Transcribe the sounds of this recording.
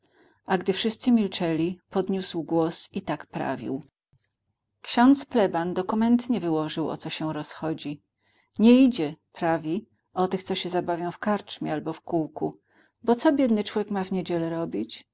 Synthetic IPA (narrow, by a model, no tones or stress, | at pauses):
ʔaɡd̪ɘfʂɘst̪sɘmʲilt͡ʂɛlʲipɔd̪ɲuswɡwɔsit̪akpɾa̰vʲḭw | kɕɔnt̪splɛband̪ɔkumɛnt̪ɲɛvɘwɔʐɘwɔ̰t̪sɔɕɛɾɔsxɔd͡ʑi | ɲɛid͡ʑɛpɾavʲi | ʔɔt̪ɘxt̪sɔɕɛzabavʲjɔ̃w̃fkaɾt͡ʂmʲialbɔfkuwku | bɔt̪sɔbʲjɛd̪nɘt͡ʂwɔvʲjekmavɲed͡ʑɛlɛɾɔbʲit͡ɕ